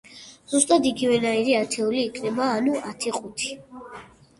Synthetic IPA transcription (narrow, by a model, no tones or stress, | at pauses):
z̥ust̪ʼad̪iɡivɛnaiɾiat̪ʰɛuliːkʰnɛbaːnuat̪ʰɛχʼut̪ʰi̥